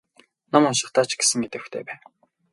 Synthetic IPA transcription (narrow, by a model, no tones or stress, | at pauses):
nɔmʊnʃɪ̆χt̪aːt͡ɕɡ̥e̥sɘ̆ŋet̪ɘ̆wxt̪ʰḛːpæːn